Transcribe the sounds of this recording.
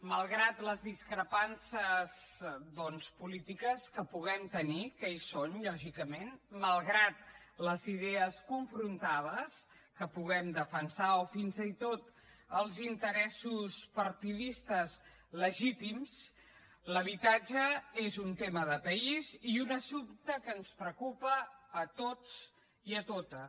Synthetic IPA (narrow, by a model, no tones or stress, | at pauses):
məlˠɣɾat̪ləzðiskɾəpansəzðɔnspulit̪ikəskəpuɣɛmt̪ənikejsonʎɔʒikəmenməlˠɣɾat̪̚ləziðɛəskuɱfɾunt̪aβəs | kəpuɣɛmd̪əfənsaofinzit̪ot̪əlˠzint̪əɾɛsuspəɾt̪iðist̪əz | ləʒit̪ims | ləβ̞it̪ad͡ʒəezunt̪eməðəpəiziunəsupt̪əkənspɾəkupəːt̪ot͡s | iət̪ot̪ə